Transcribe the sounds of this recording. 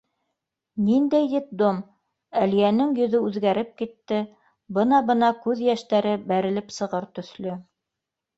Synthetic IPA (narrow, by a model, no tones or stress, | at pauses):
nind̪æjd̪it̪̚d̪om | ælijænɘŋjɵ̆ðɵʉðɡæɾɘp̚kit̪ːɘ | bɤnɑbɤ̆nɑkʉðjæʃt̪æɾɘbæɾɘ̆lɘpsɤ̆ʁɤɾt̪ɵ̆θlɵ